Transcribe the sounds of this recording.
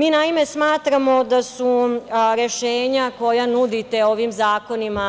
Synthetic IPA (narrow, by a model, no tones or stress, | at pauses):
miːnaime̞smaːt̪ɾamo̞d̪asuɾe̞ʃeːɲako̞janud̪it̪e̞o̞ʋimzaːko̞nima